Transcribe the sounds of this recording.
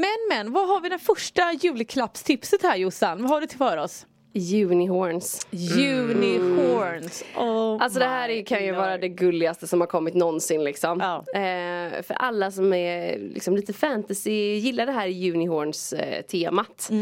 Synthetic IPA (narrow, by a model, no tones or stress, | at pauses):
mɛnmɛnːvaɦaɾvɪd̪ɛæːɾfœʂʈajʉ̟ːlkʰlapst̪ʰɪpsət̪hæːɾjʊsanvaɦaɖɵt̪ʰɪlfœːɾɔs | jʉ̟ːnɪhoːɾnsjʉnɪhonsɔalsɔd̪ɛɦæːɾæɾjkʰanjɵvɑːɾad̪ɛɡɵlːɪɡast̪əsɔmhaɾkʰɔmːɪt̪nɔnsɪnlɪksɔm | fœ̰ɾʔa̰lːasɔmɛɾlɪ̰ksɔmliːt̪əfænt̪asɪjɪlːaɖɛɦæːɾjʉ̟ːnɪhoːɾɳst̪ʰeːmat̪